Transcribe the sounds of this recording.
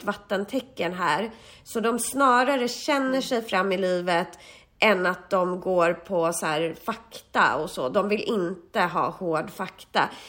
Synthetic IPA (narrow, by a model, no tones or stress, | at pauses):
t̪vat̪ːənt̪ʰɛkːənɦæːɾ | sɔd̪ɔmsnɑːɾaɾəɕɛnːəʂɛjfɾamːɪliːvət̪ | ʔɛnat̪̚d̪ɔmɡoːɾpʰɔsæːɾfakt̪a̰ɔsɔ̰d̪ɔmvɪlʔɪnt̪əɦɑ̰ːhoːɖfakt̪a̰